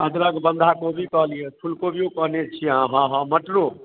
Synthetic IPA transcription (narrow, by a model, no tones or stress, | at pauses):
əd̪ɾəɡbə̃nd̪ʱakobʱikəɦlijepʰulkobʱiokəɦnet͡ʃʰiãɦãɦə̃məʈlo